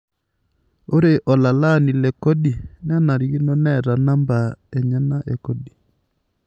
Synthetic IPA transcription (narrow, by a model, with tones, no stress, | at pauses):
o˦ɾe˨ʔɔ˨la˨la˦˨ni˨lɛ˨kɔ˦ɗi˨n˦a˦na˨ɾi˨ɡi˦nɔ˦nɛ˦˨ɾa˨na˦mba˨ɛ˨ɲa˦na˦ʔɛ˨kɔ˦ɗi˨